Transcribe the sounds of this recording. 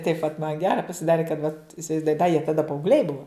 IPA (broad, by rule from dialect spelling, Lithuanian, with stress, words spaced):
tɐɪp ʋɐt mɐn ˈɡʲæːrɐ pɐsʲɪˈdɑːrʲɪ kɐt ʋɐt ɪsʲɪʋɐɪzˈduɔjɪ dɐ jiɛ tɐˈdɐ pɐɐʊɡˈlʲɛɪ ˈbʊʋɐ